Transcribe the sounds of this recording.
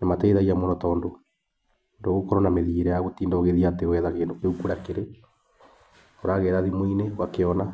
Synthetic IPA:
namatɛiðaiamonɔtɔndo | ndoɣokɔɾɔnameðieɾɛjaɣotiːndɔɣeðiateɣɛðakeːndokeukuɾakeɾe | oɾaɣɛɾaðimoineɣwakeɔna

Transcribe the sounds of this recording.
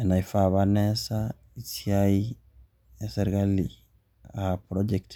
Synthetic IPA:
enaifaβanesa | isiai | eseɾikali | apɾod͡ʒekt

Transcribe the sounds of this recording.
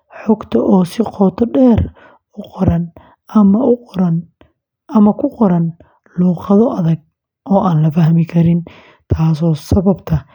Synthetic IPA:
ħɔɡt̪ʰɐʔɔːsɪqɔːt̪ʰɔɖɛːr | ʊqɔɾɐn | mɐʊɐn | ɐmɐkʰʊqɔɾɐn | luːqɑðɔʔɐðɐɡ̚ | ʔɔːʔaːnlɐfɐɦmɪkʰɐɾɪn | t̪ʰaːsɔːsɐβɐbt̪ʰɐ

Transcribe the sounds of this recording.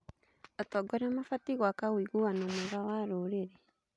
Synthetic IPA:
ɔtɔɡɔɾamafatiɣwakawiɣuanamoɣawaɾoɾeɾɛ

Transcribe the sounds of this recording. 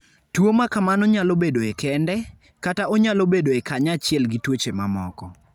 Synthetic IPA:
twomakamanɔɲalobedoekʰɛndɛ | kataɔɲalobedoekaɲat͡ʃɪɛlɡitwot͡ʃemamɔ̰kɔ

